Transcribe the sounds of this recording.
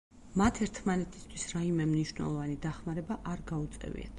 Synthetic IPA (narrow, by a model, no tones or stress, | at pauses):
mat̪ʰɛɾt̪ʰmanɛt̪ʰi̥st̪ʰwisɾaimɛmniʃwnɛ̰lˠɔvanid̪aχmaɾɛbaʔaɾɡaut̪sʼɛ̰vḭa̰t̪ʰ